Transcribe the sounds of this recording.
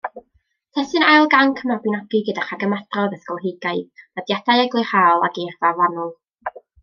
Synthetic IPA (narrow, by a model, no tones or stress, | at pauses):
tʰɛsɨnalˠɡankʰəmabɨnaɡɨɡədaχaɡəmadrɔðəθkɔlˠɦɪɡaɨðadjadajaɡlˠɨχaːlˠa̰ɡervavanɔlˠ